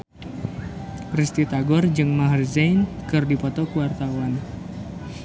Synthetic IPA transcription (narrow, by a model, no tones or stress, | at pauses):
rist̪it̪aɡɔrd͡ʒɨŋmaɦrzɛjnkɨrdipɔt̪ɔkuwart̪awan